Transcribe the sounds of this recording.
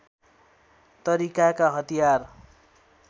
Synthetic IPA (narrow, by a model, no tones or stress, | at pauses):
t̪ʌɾikakaɦʌt̪ijar